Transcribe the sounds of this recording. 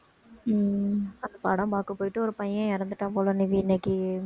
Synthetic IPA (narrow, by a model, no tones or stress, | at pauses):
ɐnd̪ɐpaːɽɐ̃baːkːɯpoːjɪʈːɯɔɾɯpɐjɐ̃ɛɾɐnd̪ɯʈːãːpoːlɐnɪʋiɪnːɛkːi